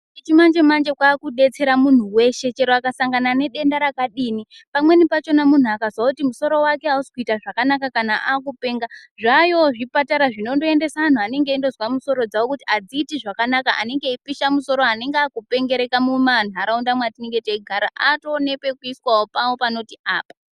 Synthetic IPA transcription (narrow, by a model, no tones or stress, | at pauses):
it͡ʃimand͡ʒe̞mand͡ʒe̞kwaːkuɗe̞t͡se̞ɾamun̤uwe̞ʃe̞t͡ʃe̞ɾoakasaŋɡanane̞ɗe̞ndaɾakaɗiːni | pamwe̞nipat͡ʃo̞namun̤uakazwakutimuso̞ɾo̞wake̞ausi̥kuitaʐakanakakanaʔaːk̬upe̞ːŋɡaʐajo̞ʐipataɾaʐino̞ndo̞e̞nde̞saan̤uane̞ŋɡe̞indo̞zwamuso̞ɾo̞d͡zawokutiad͡ziːtiʐakanakaʔa̰ne̞ŋɡe̞ipiʃamuso̞ɾo̞ane̞ŋɡeakupe̞ŋɡe̞ɾe̞kamuman̤uaɾaundamwatiniŋɡe̞teiɡʱaɾaʔato̞ːne̞kwe̞kuiswawopawopano̞tiʔaːpa